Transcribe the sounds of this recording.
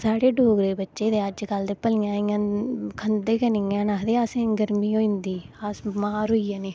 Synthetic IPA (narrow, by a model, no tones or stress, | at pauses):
saːɽeːɖoːɡɾeːbətːʃeːd̪eːəd͡ʒkəld̪eːpəlɪjãːĩãːkʰənd̪eːkənĩãːnaːd̪eːasẽɡəɾmiːoːĩnd̪iːaːsmaːɾɦoiːãːneː